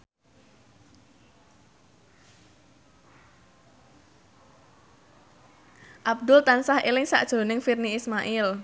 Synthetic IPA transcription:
ʔab̚d̪ʊlt̪ansahelɪŋsa̰ʔd̥ʒ̥o̤nɪŋfirniːsmaʔɪl

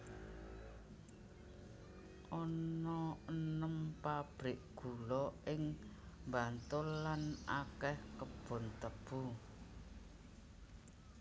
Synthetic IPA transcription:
ʔɔnɔənəmpab̥ɾɪʔɡ̥ṳlɔʔɪŋmbant̪ʊlːanʔakɛhkəb̥ʊ̤nt̪əb̥u

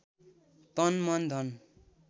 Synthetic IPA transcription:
t̪ʌnmʌnd̪ʱʌn

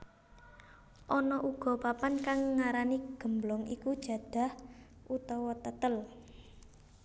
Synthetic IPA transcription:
ʔɔnɔʔuɡ̥ɔ̤papankaŋːaɾaniɡ̥ə̤mblɔŋʔikud̥ʒ̥ä̤d̪̥ä̤h | ʔut̪ɔwɔt̪ət̪əl

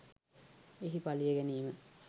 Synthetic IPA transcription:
eɦipalijeɡeniːmə

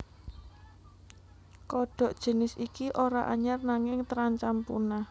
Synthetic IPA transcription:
kɔɖ̥ɔ̤ʔd̥ʒ̥ə̤nɪsikiʔoɾaʔa̰ɲarnaŋɪŋt̪əɾaɲt͡ʃampṵna

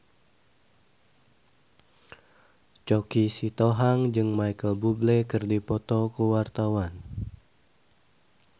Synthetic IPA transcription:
t͡ʃɔkisit̪ɔɦaŋd͡ʒɨŋmajkəlbublɛkɨrdipɔt̪ɔkəwart̪awan

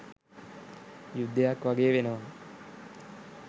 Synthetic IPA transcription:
jud̪ːejakʋaɡeːʋenəʋa

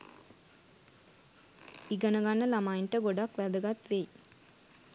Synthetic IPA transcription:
iɡənəɡanːəlamajinʈəɡoɖakʋæd̪əɡat̪ʋej

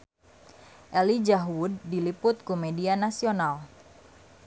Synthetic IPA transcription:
ʔɛlid͡ʒaɦwʊdːilipʊt̪̚kumedianasional

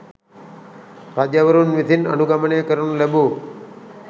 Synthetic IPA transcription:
ɾad͡ʒəʋəɾunʋit̪ʰinə̰nuɡaməneːkəɾunulɛbu

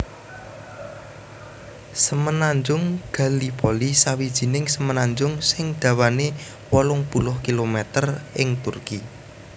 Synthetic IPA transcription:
səmənaɲd͡ʒʊŋɡ̥ä̤lipolisawid̥ʒ̥i̤nɪŋsəmənaɲd͡ʒʊŋsɪŋd̪̥a̤wane | wɔlʊŋpulʊhkilomɛt̪ərɪŋt̪ʊrki

